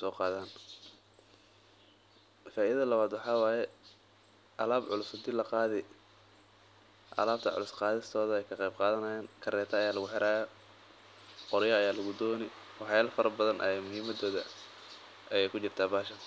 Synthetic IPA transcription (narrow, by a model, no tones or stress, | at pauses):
sɔːqɑːðaːn | faːʔɪðɐðɐlɐβaːd̪wɑħɑːwɑːjɛ | ʔɐlaːbʕʊlʊsʊd̪ɪlɐqɑːðɪ | ʔɐ̰laːb̚t̪ʰɐʕʊ̰lʊsqɑːðɪst̪ʰɔːðɐɛjkʰɐqɛjb̚qɑːðɐnɐjaːnkʰɐɾɛːt̪ʰɐːjaːlɐɣʊħɛɾʔaːjɔ | qɔɾjɐɐjaːlɐɣʊd̪ɔːnɪwɑħjaːlfɐɾɐbɐðɐnʔɐ̰ɛmʊɦiːmɐd̪ɔːðɐ | ʔɐjɛjkʰʊt͡ʃɪrt̪ʰaːbaːʃɐ